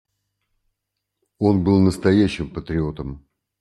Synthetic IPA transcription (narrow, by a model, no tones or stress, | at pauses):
o̞nbɨlˠnəst̪ɐjæɕːɪmpət̪ɾʲɪo̞t̪əm